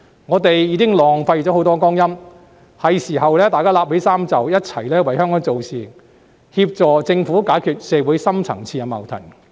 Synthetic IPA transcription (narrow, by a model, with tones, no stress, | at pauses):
ŋɔː˨˧t̪e˨jjiː˨˧kɪ˥ŋlɔː˨˩ŋfɐ˧jt͡sɔː˨˥ho˨˥wt̪ɔː˥kɔː˥ŋjɐ˥m | hɐ˨jsiː˨˩hɐ˨wlɛː˥t̪aː˨jkaː˥laː˧phe˨˥jsaː˥mt͡sɐ˨wjɐ˥t̚t͡sʰɐ˨˩jlɛː˥wɐ˨˩jhœː˥ŋkɔː˨˥ŋt͡so˨wsiː˨˩ | hiː˧p̚t͡sɔː˨t͡sɪ˧ŋfuː˨˥kaː˨˥jkʰyː˨˩t̚sɛː˧wuː˨˥jsɐ˥mt͡sʰɐ̰˨˩ŋt͡sʰiː˧a˧mɐ̰˨˩wt̪ʰɐ̰˨˩ŋ